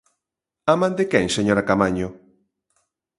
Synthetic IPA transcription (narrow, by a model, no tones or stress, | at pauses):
amãnd̪ekɛŋseɲoɾakamaɲo